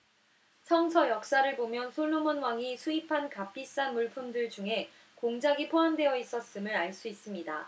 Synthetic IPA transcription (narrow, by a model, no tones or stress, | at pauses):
sʰʌŋsʰʌjʌk̚s͈aɾɯɭbomjʌnsʰoɭːomʌnwaŋisʰuipʰankap͈is͈anmuɭpʰumdɯɭd͡ʑuŋɦe̞ | koŋd͡ʑaɡipʰoande̞jʌis͈ʌs͈ɯmɯɾaɭs͈uis͈ɯmɲida̰